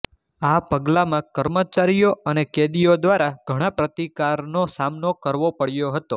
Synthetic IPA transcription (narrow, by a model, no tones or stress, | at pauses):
apəɡlamãkəɾmət͡ʃaɾijoʔəneked̪ijod̪ʋaɾaɡ̥ʱəɽ̃ãpɾət̪ikaɾnosamnokəɾʋopəɽjoɦət̪o